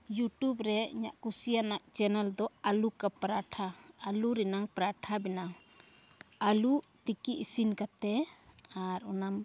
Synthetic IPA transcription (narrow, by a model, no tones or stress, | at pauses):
juʈubɾɛḭɲa̰ʔkusijanaʔt͡ʃɛnɛld̪ɔalukapɾaʈʰaːluɾɛnaŋpɾaʈʰabɛna | alut̪ikiʔisinkat̪ɛaɾɔnam